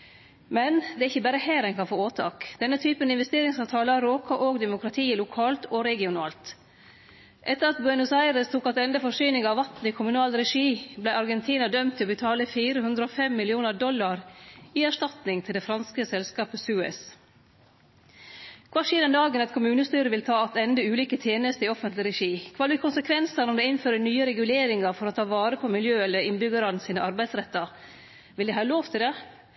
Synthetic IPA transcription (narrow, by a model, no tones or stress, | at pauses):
mɛnd̪ɛæɾɪçːəbæːɾəhæːɾɛnkʰɑnfoːoːt̪ʰɑ̰ːkd̪̥ɛnːət̪ʰyːpənɪnʋɛst̪eːɾɪŋsɑːʋt̪ʰɑːləɾoːkʰɑʔoːɡd̪ɛmʊkʰɾɑt̪ʰiːəlʊkʰɑːlt̪ʰoɾɛɡɪʊnɑ̰ːlt̪ | ʔɛt̪ːəɾɑt̪̚bʉɛnʉsæɪɾəst̪ʰuːkɑt̪ɛnd̪əfɔʂyːnɪŋɑʋʋɑt̪n̩ɪkʰʊmʉnɑːlɾɛʂiːblæɪɑɾɡɛnt̪ʰiːnɑd̪œmt̪ʰːɪlɔbət̪ʰɑːləfiːɾəhʉnd̪ɾəofɛmːɪlɪuːnəɖɔlːɑɾɪæʂtɑt̪nɪŋt̪ʰɪld̪ɛfɾɑnskəsɛlskɑːpəsʉːɛ̰s | kʰʋɑʂiːd̪ənd̪ɑːɡənɛt̪kʰʊmʉːnəst̪yːɾəʋɪlt̪ʰɑːɑt̪ɛnd̪əʉːliːkət̪ʰjeːnəst̪əɾɪɔfənt̪lɪɾɛʂiːkʰʋɑːʋɪkʰʊnsəkʰʋɛnsənɔmd̪ɛːɪnføːɾənyːəɾɛɡʉleːɾɪŋɑɾfɔɾot̪ʰɑːʋɑːɾəpʰɔmɪljøːɛlːəɾɪnbʏɡəɾɑnəsiːnəʔɑɾbæɪd̪sɾɛt̪ːɑɾ | ʋɪld̪ɛɦɑːloːʋt̪ʰɪld̪ɛ